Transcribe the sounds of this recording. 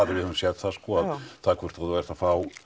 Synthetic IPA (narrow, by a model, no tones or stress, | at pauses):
aðɪɾvɪhsjɛt̪θaskɔaðθaðkʰvʏɾ̥t̪vaðʏvɛɾ̥t̪afaːw